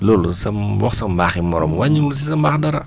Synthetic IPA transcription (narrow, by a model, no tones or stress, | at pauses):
lɔːlusɐmwɔxsɐmbaːximɔɾɔ̰mwaɲːimlus̬isɐmbaːxdɐɾɐ